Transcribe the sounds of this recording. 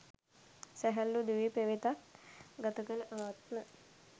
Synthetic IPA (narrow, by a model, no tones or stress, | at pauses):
sɛɦɐlːud̪uʋipeʋet̪aɡɐt̪ɐkəlʔaːt̪mə